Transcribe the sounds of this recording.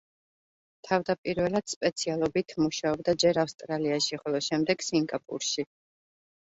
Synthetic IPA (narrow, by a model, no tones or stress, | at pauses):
t̪ʰavd̪apʼiɾvɛlˠad̪̥spʼɛt̪sʰialˠɔbit̪ʰmuʃaɔbd̪ad͡ʒɛɾafst̪ʼɾaliaʃiχɔlˠɔʃɛmd̪ɛɡ̥siŋɡapʼṵɾʃi